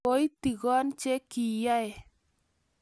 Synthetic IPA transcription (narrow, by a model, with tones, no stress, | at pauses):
o˦i˦ti˨kɔ˦nt͡ʃe˦ki˨ja˦ɛ˨